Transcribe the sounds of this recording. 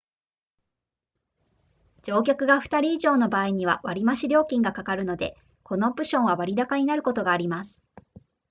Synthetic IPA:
d͡ʑo̞ːk̬ʲokɯ̟ɡaɸɯ̥t̪aɾʲiːʑo̞ːno̞baːiɲ̟iβa̰βaɾʲimaɕiɾʲo̞ːkʲĩŋɡakakaɾɯ̟no̞d̪e̞̰ | ko̞no̞pɯ̟ɕõ̞ɰ̃βaβaɾʲid̪akaɲ̟inaɾɯ̟ko̞t̪o̞ɡaːɾʲimasɨ̥

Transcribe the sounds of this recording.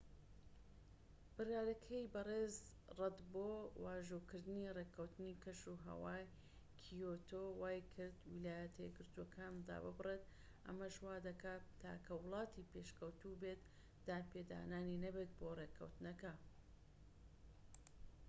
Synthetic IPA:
b̥ɨrjaːɾɐkʰɐjbɐreːz | rɐd̪boːwaːʒukɨɾd̪ɨnirekʰɐwt̪ɨnikʰɐʃuɦɐ̰waːj | kʰijot̪ʰoːwaːjkʰɨɾd̪wilaːjɐt̪ʰɐjɛɡɨɾt̪uokʰaːnd̪a̰bɨbreːt̪ | ʔɐ̰mɐʃwaːd̪ɐkaːtt̪ʰːa̰ːkʰɐwʊlˠɑːt̪ipeʃkɐwt̪ubet̪ | d̪̥aːnpeːd̪a̰ːnaːninɐbet̪̚boːrekʰɐ̰wt̪nɐkɐ

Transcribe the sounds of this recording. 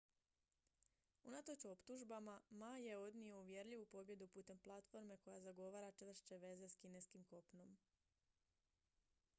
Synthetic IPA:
unat̪ot͡ɕo̞pt̪uʒbamamaje̞o̞d̪nio̞uʋje̞ɾʎiʋupo̞bje̞d̪upuːt̪e̞mplˠat̪fo̞ɾme̞ko̞jazaɡo̞ʋaːɾat͡ʃr̩ʃt͡ɕe̞ʋe̞ze̞skine̞skimko̞pno̞m

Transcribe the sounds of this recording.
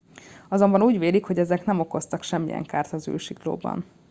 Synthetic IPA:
ɒzo̞mbɒnuːɟʋeːlikho̞ɟɛzɛknɛmo̞ko̞st̪ɒkʃɛmːḭjɛ̰ŋkaːrt̪ɒzy̰ːlʃiklo̰ːbɒ̰n

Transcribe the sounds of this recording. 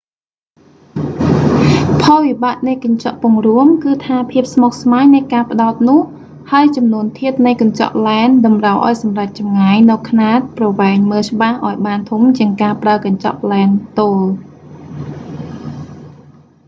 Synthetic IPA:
pʰɑːʋiɓaːʔ̪̚nɨjkɑɲt͡ɕɑ̰ʔpʊəŋruəmkɨːt̪ʰaːpʰiəp̚smok̚smaːɲnɨjkaːpə̆ɗaɔt̪̚nʊ̆əh | haəjt͡ɕɑmnuənt̪ʰiət̪̚nɨjkɑɲt͡ɕɑ̰ʔlaɛnɗɑmrawʔa̰ɔjsɑmrac̚t͡ɕɑmŋaːjnɨwkʰnaːt̪̚prɑʋɛɛːŋməːlt͡ɕə̆ɓahʔaɔjɓaːnt̪ʰumt͡ɕiəŋkaːpraəkɑɲt͡ɕɑ̰ʔlaɛnt̪oːl

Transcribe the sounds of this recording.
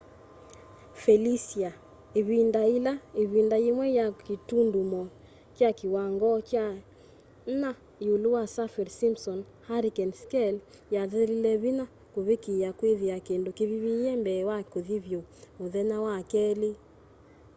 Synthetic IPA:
fɛlisia | eβindailaeβindaimwɛjakitundumɔ | t͡ʃjakiwaŋɡɔt͡ʃa | na | juluwasafɛɾsimsɔn | haɾikɛnskɛl | jaðɛɾilɛβina | koβekiakweðiakendokiβiβijɛmbɛːwakoðiβjooðɛnawakɛle

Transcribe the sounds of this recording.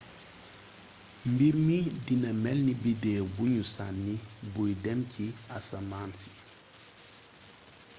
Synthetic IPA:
mbiɾmidinɐmɛlnibidɛːbuɲusanːibujdɛmcʰiasamaːnsi̥

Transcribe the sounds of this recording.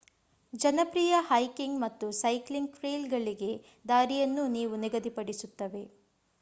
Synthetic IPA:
d͡ʒɐnɐpɾiːjɐhɐjkiŋɡmɐt̪ːusɐjkliŋɡkɾeːlɡɐɭiɡe̞ | d̪aːɾijɐnːuniːʋuniɡɐd̪ipɐɽisut̪ːɐʋe̞

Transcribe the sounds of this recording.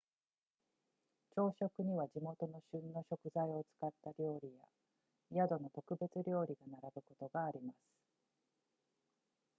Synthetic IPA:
t͡ɕo̞ːɕo̞kɯ̟ɲ̟iβad͡ʑimo̞t̪o̞no̞ɕɨ̃nːo̞ɕo̞kɯ̟zaio̞t͡sɨ̥kat̪ːaɾʲo̞ːɾʲija | jad̪o̞no̞t̪o̞kɯ̟be̞t͡sɨɾʲo̞ːɾʲiɡanaɾabɯ̟ko̞t̪o̞ɡaːɾʲimasɨ̥

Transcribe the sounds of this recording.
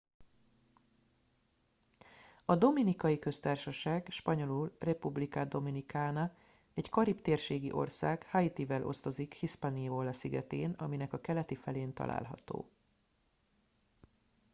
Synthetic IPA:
ɒd̪o̞minikɒjikø̞st̪aːrʃɒʃaːɡʃpɒɲo̞lulrɛpublikad̪o̞minikaːnɒ | ɛɟkɒɾipt̪eːrʃeːɡḭʔo̞̰rsaːɡhɒit̪ivɛlʔo̞̰st̪o̞zikhiʃpanivolːɒsiɡɛ̰t̪eːnɒ̰minɛkɒkɛlɛt̪ifɛleːnt̪ɒ̰lʔa̰ːlɦɒ̰t̪o̰ː

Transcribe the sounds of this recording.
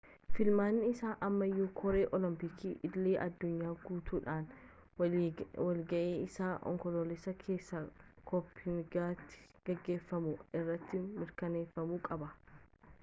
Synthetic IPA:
fɪlmaːnːɪɪsaːʔɐmːɐjːoːkʰɔɾe̞ːʔɔlɪmpɪkʰiːʔɪdlːeːʔɐd̪ːʊɲːaːɡuːt̪ʰuːᶑaːn | wɐlɡɐʔeːɪsaːʔɔ̰ŋkɔloːlɪsɐkʰe̞ːsːɐkʰɔpʰːɪmɪɡaːt̪ːɪ̥ | ɡ̥ɛɡːe̞ːfːɐmʊɪrːɐt̪ːɪmɪɾkɐneːfːɐmuːkʼɐbɐ

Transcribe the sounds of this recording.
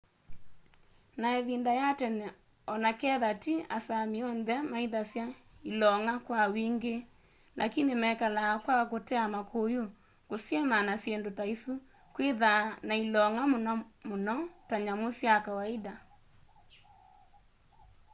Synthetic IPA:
naeβindajatɛnɛ | ɔnakɛðatia̰samiɔnðɛmaiðasjailɔŋakwawiŋɡe | lʔa̰kinimɛkalakwakotɛamakʰoju | kosjemanasjendotaisu | kweðanailɔŋammonɔtaɲamosjakawaeda

